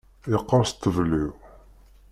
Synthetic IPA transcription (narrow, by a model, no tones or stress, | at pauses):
ɪqːəɾˤst̪ːəvliw